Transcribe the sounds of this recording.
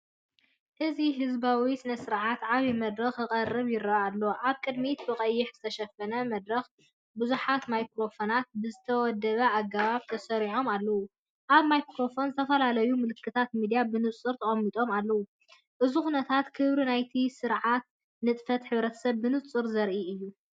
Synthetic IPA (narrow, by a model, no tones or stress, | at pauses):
ʔɨziɦɨzbawisɨnɐsɨɾʕat̪ʕaβimɐd̪ɾɐxɨkʼɐrːɨβjɪrːɐalːoʔaβkʼɨd̪mit̪bɨqʼɐjːɪħzɨt̪ʰɐʃɐfɐnɐmɐd̪ɾɐx | buzuħat̪majkɾo̞fonat̪̚bɨzɨt̪ʰɐwɔd̪ːɐβɐaɡaβaβt̪ʰɐsɐɾiʕo̞malːɐwu | ʔaβmajkɾo̞fo̞nzɨt̪ʰɐfɐlalɐjumɨlɨkʰːɨt̪ʰat̪mid̪ijabɨnɨt͡sʼɨɾt̪ʰɐχʼɐmːit̪ʼo̞malːɐwu | ʔɨzuxunɐt̪ʰat̪kʰɨβɾinajt̪ʰisɨɾʕat̪̚ | nɨt̪ʼfɐt̪ħɨβɾɐt̪ʰɐ̥sɐβːɨnɨt͡sʼɨɾzɐɾʔiɨjːu